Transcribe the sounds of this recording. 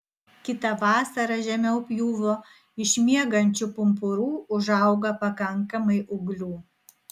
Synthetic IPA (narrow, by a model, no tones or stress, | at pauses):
kʲɪt̪ɐʋɑːsɐɾɐʒʲɛmʲɛʊpʲjuːʋoː | ɪʃʲmʲiɛɡɐnʲt͡ʃʲʊpʊmpʊɾuːʊʒɐˑʊɡɐpɐkɐŋˑkɐmɐɪʔʊɡlʲuː